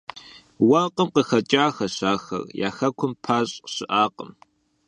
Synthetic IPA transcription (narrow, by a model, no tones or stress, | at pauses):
wɐqəmqəxɐt͡ʃʼaːxɐɕaːxɐ̰rja̰ːxɐkʷʰʊmpʰaːɕʼɕɪʔaːqə̰m